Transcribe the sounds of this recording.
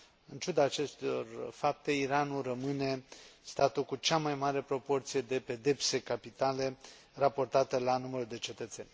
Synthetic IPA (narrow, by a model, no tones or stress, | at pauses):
ɨnt͡ʃud̪aːt͡ʃe̞st̪eo̞̰rfap̚t̪e̞iɾanulrəmɨne̞st̪at̪ulkut͡ʃamajmaɾe̞pɾo̞po̞rt̪sije̞d̪e̞pe̞d̪e̞pse̞kapit̪ale̞ | rapo̞rt̪at̪elanuməɾuld̪e̞t͡ʃe̞t̪ət̪se̞nʲ